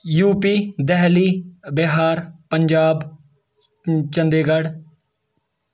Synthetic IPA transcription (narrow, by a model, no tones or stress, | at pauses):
juːpiːd̪ɛɦliːbeɦaːɾpəɲd͡ʒaːb | t͡ʃə̃nd̪eːɡəɽ